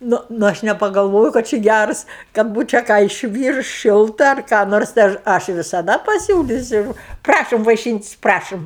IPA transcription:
ˈnʊ ˈnʊ ˈɐʃ nʲɛpɐɡɐlˠˈʋoːjoː kɐt ˈt͡ʃʲɪ ˈɡʲærs kɐt ˈbuːt͡ʃʲɛ kɑː ɪʃʲˈʋʲiːrʊs ˈʃʲɪlˠtɐ ɐr kɑː ˈnoːrs tɐɪ ˈɐʃ ˈɐʃ ʋʲɪsɐˈdɐ pɐˈsʲuːlʲiːsʲʊ ˈprɑːʃoːm ʋɐɪˈʃʲiːnʲtʲɪsʲ ˈprɑːʃoːm

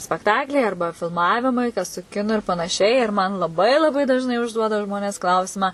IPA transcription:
sʲpʲɛkˈtɑːklʲɛɪ ˈɐrbɐ fʲɪlˠˈmɑːʋʲɪmɐɪ kɐs sʊ ˈkʲɪnʊ ɪr pɐnɐˈʃʲɛɪ ɪr mɐn lˠɐˈbɐɪ lˠɐˈbɐɪ dɐʒˈnɐɪ ʊʒˈduɔdɐ ˈʒmoːnʲeːs ˈklˠɐʊsʲɪmɑː

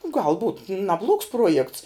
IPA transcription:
ɡɐlˠ buːt nɐˈblˠuɔks ˈpruɔjɛkts

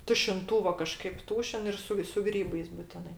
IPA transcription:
tʊʃʲɪnˈtuːʋoː kɐˈʃkɐɪp ˈtuːʃʲɪn ˈɪr sʊ sʊ ˈɡrʲiːbɐɪs bʊˈtʲɪnɐɪ

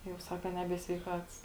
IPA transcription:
jɛʊ ˈsɑːkɐ ˈnʲæːbʲiɛ sʲʋʲɛɪˈkɐts

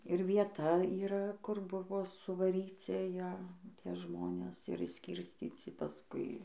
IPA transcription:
ɪr ʋʲiɛˈtɐ iːˈrɐ kʊr ˈbʊʋoː sʊʋɐˈrʲiːt͡sʲɪ ˈjæ ˈtʲiɛ ˈʒmoːnʲeːs ɪr ɪʃʲˈsʲkʲɪrʲsʲt͡sʲiːt͡sʲɪ pɐˈskʊɪ

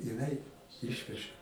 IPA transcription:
jɪˈnɐɪ ˈɪʃʲʋʲɛʒɐ

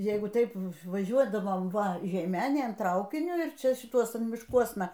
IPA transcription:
ˈjɛɪɡʊ ˈtɐɪp ʋɐˈʒʲuɔdɐʋoːm ˈʋɐ ʒʲɛɪˈmʲæːnʲeːn ˈtrɐʊkʲɪnʲʊ ɪr ˈt͡ʃʲɛ ʃʲɪˈtuɔsʊn mʲɪʃˈkuɔsnɐ

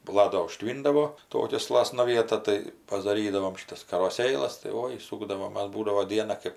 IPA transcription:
bɐˈlˠɐ doː ʊˈʃʲtʲʋʲiːndɐʋoː ˈtoːkʲɛ ˈslˠɑːsnɐ ˈʋʲiɛtɐ tɐɪ pɐdɐˈrʲiːdɐʋoːm ˈʃʲiːtɐs kɐroːˈsʲeːlˠɐs tɐɪ ˈoːɪ ˈsuːɡdɐʋoːm ˈmɐs ˈbuːdɐʋoː ˈdʲiɛnɐ ˈkɜp

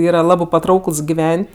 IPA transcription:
ˈiːrɐ ˈlˠɑːbɜ pɐˈtrɐʊkɘlˠs ɡʲɪˈʋʲɛnʲtʲ

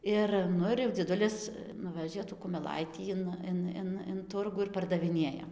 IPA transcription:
ˈɪr ˈnʊ ɪr jɛʊ d͡zʲiɛˈdʊlʲɪs ˈnʊʋʲɛʒʲeː tuː kʊmʲɛˈlˠɐɪtʲiː ɪn ˈɪn ɪn ɪn ˈtʊrɡʊ ɪr pɐrdɐʋʲɪˈnʲeːjɛ

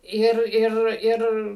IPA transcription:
ˈɪr ˈɪr ˈɪr

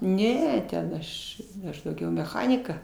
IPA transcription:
ˈnʲɛ tʲɛn ˈɐʃ ˈɐʃ dɐʊˈɡʲɛʊ mʲɛˈxɑːnʲɪkɐ

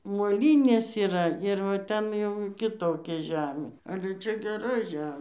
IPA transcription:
moːˈlʲiːnʲeːs iːˈrɐ ˈɪr ˈtʲɛn jɛʊ kʲɪˈtoːkʲɛ ˈʒʲæːmʲeː ˈɑːlʲɛ ˈt͡ʃʲɛ ɡʲɛˈrɐ ˈʒʲæːmʲeː

